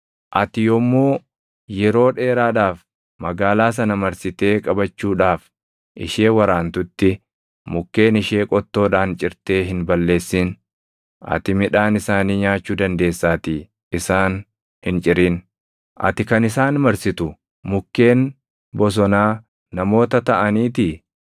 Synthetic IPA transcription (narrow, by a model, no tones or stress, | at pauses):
ʔɐt̪ɪjɔmːoː | jɛɾo̞ːᶑe̞ːɾaːᶑaːf | mɐɡaːlaːs̬ɐnɐmɐɾsɪt̪e̞ːkʼɐbɐt͡ʃːuːᶑaːf | ʔɪ̰ʃe̞ːwɐɾaːnt̪ʊt̪ːɪ | mʊkːeːnɪʃe̞ːkʼɔt̪ːo̞ːᶑaːnt͡ʃʼɪɾt̪e̞ːɦɪnbɐlːe̞ːsːɪn | ʔɐ̰t̪ɪmɪᶑaːnɪsaːniːɲaːt͡ʃːuːd̪ɐnd̪e̞ːsːaːt̪ɪ | ɪsaːn | hɪnt͡ʃʼɪɾiːn | ʔɐ̰t̪ɪkɐnɪsaːnmɐɾsɪt̪ʊ | mʊkːe̞ːn | bɔs̬ɔnaː | nɐmo̞ːt̪ɐt̪ɐʔɐniːt̪ɪ